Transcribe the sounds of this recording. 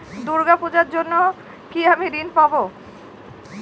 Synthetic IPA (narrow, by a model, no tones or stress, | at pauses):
d̪uɾɡapud͡ʑaɾd͡ʑonːo | kiamiɾinpabo